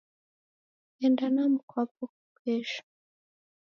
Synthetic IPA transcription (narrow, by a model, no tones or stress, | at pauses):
eːndanamukʰwapokukeːʃḁ